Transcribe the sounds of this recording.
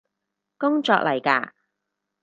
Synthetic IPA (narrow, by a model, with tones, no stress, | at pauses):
kʊ˥ŋt͡ʃɔː˧˨k̚lʔɐ˨˩jka̰ː˧